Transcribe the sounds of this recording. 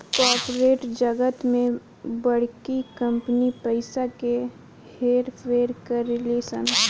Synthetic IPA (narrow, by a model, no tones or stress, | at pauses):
kɔːɾpɾeːʈd͡ʒəɡət̪mẽ | bɐɽ̤kikə̃mpnipəɪsake | heːɾpʰeːɾkəɾɪleːsə̰n